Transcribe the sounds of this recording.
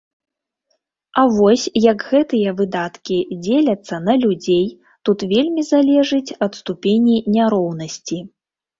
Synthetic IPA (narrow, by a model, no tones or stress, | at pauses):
ɐvɔsʲjɐɡɣɛt̪ɨjɐvɨd̪at̪kʲid͡zʲelʲɐt̪sːɐnɐlʲud͡zʲej | t̪ut̪vʲelʲmʲizalʲɛʐɨt͡sʲɐt̪st̪upʲenʲinʲaɾɔwnɐsʲt͡sʲi